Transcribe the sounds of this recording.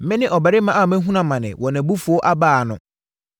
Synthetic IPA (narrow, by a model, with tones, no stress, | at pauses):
mɪ̃˦nɪ̃˦ʔɔ˨bɛ˨ɾɪ˦mã˦a˦˨mɛ̃˦ɦũ˦nã˨mã˨nɪ̰̃˨wɔ˨nɛ̃˨bu˦fu˨ɔ˦ʔa˦baː˦˨nʊ̰̃˨